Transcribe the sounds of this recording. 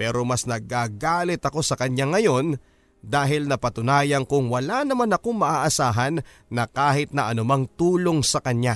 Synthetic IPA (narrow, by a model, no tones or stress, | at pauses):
pɛːɾo̞mɐsnɐɡaːɡaːlɪt̪ɐko̞sɐkɐɲaŋːɐjo̞n | d̪aːɦɪlnɐpɐt̪ʊnaːjɐŋkʊŋwɐlanɐmanɐko̞ŋmɐʔaːʔɐsaːɦɐnː | ɐkaːɦɪt̪̚nɐʔɐnʊmaŋt̪uːlo̞ŋsɐkɐɲɲa